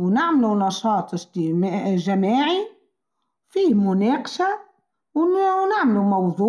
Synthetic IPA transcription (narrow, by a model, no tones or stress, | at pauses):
wnɪʕmalunɑʃɑːt̪ˤɪst̪imʒamaːʕi | wfiːmʊneːqɑ̥ʃa | wnaʕmalumɑwðˤuː